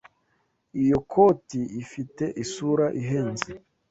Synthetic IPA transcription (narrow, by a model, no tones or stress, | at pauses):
ijo̞kʰoːtiːfite̞ʔisuɾaʔiɦeːnze